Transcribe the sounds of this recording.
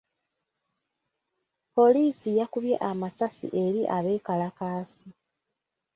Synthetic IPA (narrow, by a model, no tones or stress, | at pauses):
po̞liːsijakuβje̞̰ʔamasasḭʔe̞ɾiʔaβe̞ːkalakaːsi